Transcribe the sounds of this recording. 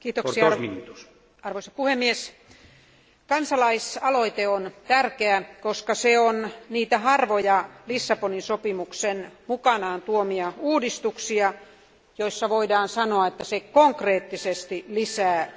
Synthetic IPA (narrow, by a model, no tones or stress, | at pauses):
kiːt̪okksi | ɑrʋoisɑpuhemːies | kɑnsɑlɑisɑloit̪eont̪ærkeækoskɑseonniːt̪æhɑrʋojɑlisːɑponinsopimuksenmukɑnɑːnt̪uomiɑuːdist̪uksiɑ | joisːɑʋoidɑːnsɑnoɑet̪ːæsekoŋkreːt̪ːisest̪ilisæː